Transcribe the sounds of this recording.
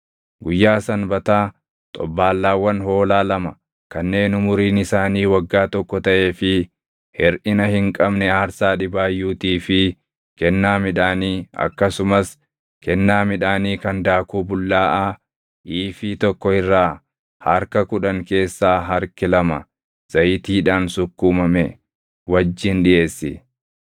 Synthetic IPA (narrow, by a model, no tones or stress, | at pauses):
ɡʊjːaːsɐnbɐt̪aː | t̪ʼɔ̰bːaːlːaːwːɐnɦo̞ːlaːlɐmɐ | kɐnːe̞ːnʊmʊɾiːnɪsaːniːwɐɡːaːt̪ɔkːɔt̪ɐʔe̞ːfɪ | hɛɾʔɪnɐhɪŋkʼɐbnɛaːɾsaːᶑɪbaːjːuːt̪iːfɪ | kɛnːaːmɪᶑaːniːɐ̰kːɐsʊmɐs | kɛnːaːmɪᶑaːniːkɐnd̪aːkuːbʊlːaːʔaː | ʔiːfit̪ɔkːɔɪrːaː | hɐɾkɐkʊᶑɐŋke̞ːsːaːɦɐɾkɪlɐmɐ | z̥ɐjɪt̪iːᶑaːnsʊkːuːmɐmɛ | wɐd͡ʒːɪnᶑɪʔe̞ːsːɪ